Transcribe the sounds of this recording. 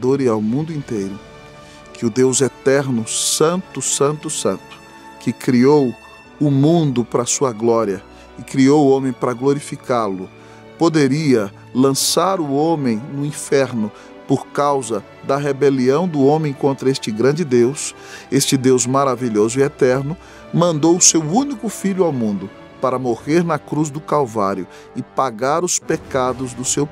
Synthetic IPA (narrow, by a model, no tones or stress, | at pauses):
d̪oɾɪawmũnd̪ʊĩnt̪ejɾʊ | kʰɪʊd̪ewzet̪ɛɾnʊsɐ̃nt̪ʊsɐ̃nt̪ʊsɐ̃nt̪ʊ̥ | kɪkɾiow | ʊmũnd̪ʊpɾɐsuɐɡlɔɾiɐ | ɪkɾiowʊõmẽj̃pɾɐɡloɾifikaɾlʊ | pod̪eɾiɐ | lɐ̃saɾʊõmẽj̃nʊĩfɛɾnʊ | poɾkawzɐ | d̪ɐɦebeliɐ̃w̃d̪ʊõmẽj̃kõnt̪ɾɐest͡ʃɪɡɾɐ̃nd͡ʒɪd̪ews | est͡ʃɪd̪ewzmaɾaviʎozʊiɛt̪ɛɾnʊ | mɐ̃nd̪owʊsewũnikʊfiʎʊawmũnd̪ʊ | paɾɐmoʁeɾnɐkɾuzd̪ʊkalva̰ɾjʊ | ɪpaɡaɾʊspekad̪ʊzd̪ʊsew